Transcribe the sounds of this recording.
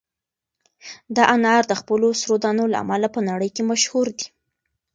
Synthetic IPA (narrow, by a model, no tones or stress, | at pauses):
d̪ɑʔanɑɾd̪əxpəlosɾod̪ɑnola̰a̰malapənaɽəjkemaʃhuɾd̪i̥